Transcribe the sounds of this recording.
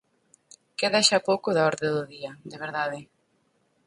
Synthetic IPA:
keðaʃapowkʊðaɔɾðeðʊðiad̪eβ̞eɾðaðe

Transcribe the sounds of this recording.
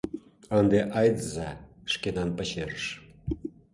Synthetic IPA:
ənd̪eʔɑjd̪zɑʃkenɑnpə̆ɕeɾəʃ

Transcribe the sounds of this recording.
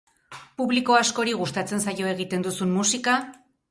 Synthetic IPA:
puβliko̞asko̞ɾiɣ̞ust̪at͡se̞nsajo̞eɣ̞it̪e̞nd̪usummusika

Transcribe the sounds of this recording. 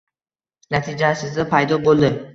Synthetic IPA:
nat̪ʰɪd͡ʒasɪzd̪apʰajd̪ɒbolˠd̪ɪ

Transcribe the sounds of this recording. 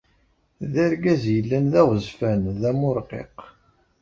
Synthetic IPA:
ðæɾɡæzjəlːænðæʁəzfænðæmʊɾˤqḛq

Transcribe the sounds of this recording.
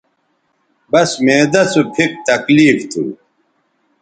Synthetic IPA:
bɐsmeːd̪ɐsupʰik̚t̪ɐkliːft̪ʰṵ

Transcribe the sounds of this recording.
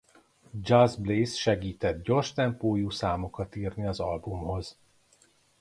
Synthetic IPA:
d͡ʒɒzbleːsʃɛɡiːt̪ɛt̪̚ɟo̞rʃt̪ɛmpoːjuːsaːmokɒt̪iːrniɒzɒlbumho̞z̥

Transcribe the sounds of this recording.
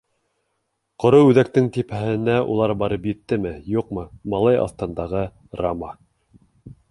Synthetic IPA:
qŏɾɤwʉðæk̚t̪ɘŋt̪ipæhɘ̆næʔṵlˠɑɾbɑɾɤpjɘ̆t̪ːɘmɘjuqmɤmɑlˠɑjɑ̰θt̪ɤ̆nd̪ɑʁɤ | ramɑ

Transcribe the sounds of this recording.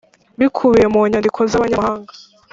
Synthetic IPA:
βikʰuβijemuɲandikʰo̞zaβaɲamhaːŋɡa

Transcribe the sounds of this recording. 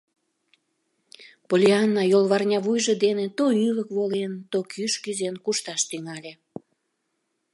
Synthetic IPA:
polʲiɑnːɑjolˠβɑrnʲɑβujʒed̪enet̪oyləkβolent̪okʰyʃkyzenkuʃt̪ɑʃt̪yŋɑlʲe

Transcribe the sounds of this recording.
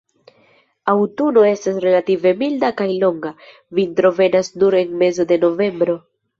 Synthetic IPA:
awtuno̞e̞stasɾe̞lative̞mildakajlo̞ŋɡa | vintɾo̞ve̞nasnuɾe̞nme̞zo̞de̞no̞ve̞mbɾo̞

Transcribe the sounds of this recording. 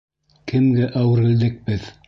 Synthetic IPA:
kʰɘ̆mɡæʔæwɘ̆ɾɡɘ̆ld̪ɘk̚bɘð

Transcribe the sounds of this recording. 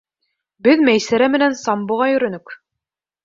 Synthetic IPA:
bɘðmæjsæɾæmɘ̆nænsɑmbŏʁɑjɵ̆ɾɵ̆nɵk

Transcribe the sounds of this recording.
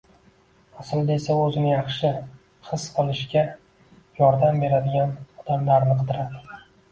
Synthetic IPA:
asɪlˠd̪ae̞saɵzɪnɪjɑχʃɪ | hɨsqɨlˠɪʃkʲa | jɒɾd̪ambe̞ɾad̪ɪɡʲanɒd̪̥amlaɾnɨqʰɨd̪ɪɾad̪ɪ

